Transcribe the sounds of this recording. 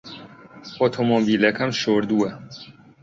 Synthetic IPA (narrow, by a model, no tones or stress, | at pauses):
ɔt̪ʰomɔbiːlɛkɐmʃoɾd̪uɛ